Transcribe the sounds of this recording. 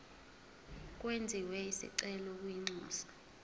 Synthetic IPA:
kʼwend͡zʱiwɛisḭǀɛlɔk̬ʼwiŋ͡ǀɔːsḁ

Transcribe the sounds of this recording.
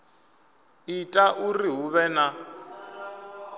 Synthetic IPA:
itʼaʔuriɦuβɛna

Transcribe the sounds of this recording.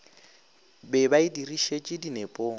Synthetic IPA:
bɛbaidiriʃet͡ʃʼɪdinepʼoː

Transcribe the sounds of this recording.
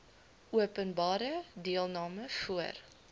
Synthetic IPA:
uəpənbɑːɾədiəlˠnɑːməfuər

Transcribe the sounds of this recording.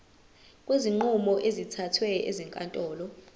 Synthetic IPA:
kʼweziŋ͡ǃumɔʔezitʰatʰwɛḛzɛŋkʼantʼɔːlɔ

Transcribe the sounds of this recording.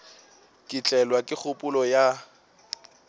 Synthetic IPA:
kʼɪt͡ɬʼɛlwakʼɪk͡xʰʊpʼʊlɔja

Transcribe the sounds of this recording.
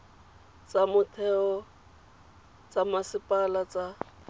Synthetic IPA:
t͡sʼamʊtʰɛɔ | t͡sʼamasɪpʼalat͡sa

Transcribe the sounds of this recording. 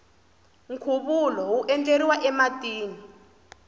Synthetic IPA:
ŋkʰuɓulɔuʔɛntʼeɾiwaʔɛmatʼiːni

